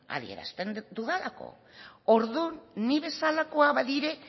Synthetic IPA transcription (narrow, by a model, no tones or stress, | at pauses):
a̰ðḭe̞̰ɾa̰st̪end̪uðelako̞̰ | o̞ɾðunːiβe̞salako̞aβaðiɾe̞